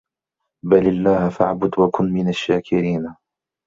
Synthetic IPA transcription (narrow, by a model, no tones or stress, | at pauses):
balɪlːaːhfaʕbʊd̪wakʊnmɪnaʃːaːkʰɪɾiːn